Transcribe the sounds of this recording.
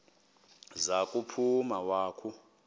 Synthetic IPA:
zakʼupʰumawaːkʰu

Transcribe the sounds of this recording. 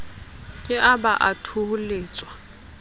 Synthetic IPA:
kʼɪʔabaʔatʰʊhʊleːt͡sʼwa

